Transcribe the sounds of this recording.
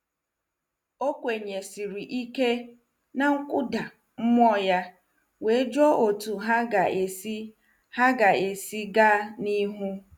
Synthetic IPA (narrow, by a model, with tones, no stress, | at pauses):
o˦kʷe˨ɲe˨si˨ɾi˨ʔi˦ke˦ | na˨ŋ̩˦kʷʊ˦da˨ | m̩˦m˦ɔ˦ja˦ | we˨˦d͡ʒɔ˦o˨tu˨ɦa˦ɡa˨e˨si˦ | ha˦ɡa˨e˨si˦ɡa˦ni˦ɦu˦